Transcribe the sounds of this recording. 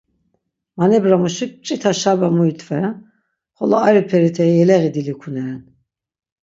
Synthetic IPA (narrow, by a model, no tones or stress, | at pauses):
manɛbɾamuʃik̚t͡ʃʼit̪ʰaʃabamuit̪ʰʼvɛɾa | χɔlɔaɾipʰɛɾit̪ʰɛiɛlɛɣid̪ilikʰunɛɾɛn